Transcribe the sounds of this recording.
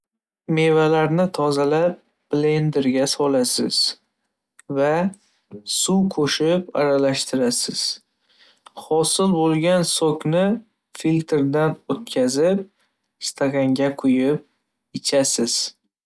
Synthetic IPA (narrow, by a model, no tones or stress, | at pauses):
me̞valaɾnɪt̪ʰɒzalap̚ | b̥le̞nd̪eɾɡʲasɒlasɪ̰z̥ | va | sukʰoʃɪpa̰ɾalaʃt̪ʰɪɾasɪz̥ | hɒsɪlbolˠɡʲansokʰʲnɪ | filt̪ʰeɾd̪anot̪kʲʰazɪp̚ | st̪ʰakʲʰaŋɡʲaqʰʊjɪp̚ | ɪt͡ʃʰasɪz̥